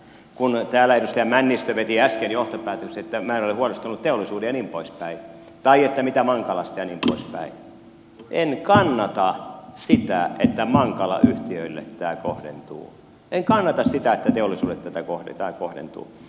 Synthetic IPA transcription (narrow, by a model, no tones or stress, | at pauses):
kunt̪æːlæedust̪æjæmænːist̪øʋet̪iæskenjoht̪opæːt̪økseet̪ːæmæenoleuɑlist̪unut̪t̪eolːˑisuːdejɑnimpo̰ispæi | t̪ɑiet̪ːæmit̪æmɑŋkɑlɑst̪jɑniːmpo̰ispæ̰i | ʔenkɑnːɑt̪ɑsit̪æ̰et̪ːæmɑŋkɑlɑ̰ʔyht̪iøilːḛt̪tæːkohdḛnt̪ṵː | eŋkɑnːɑt̪ɑssit̪æet̪ːæt̪eolisuːdet̪t̪æt̪ækohdḛt̪æːkohdḛnt̪ṵː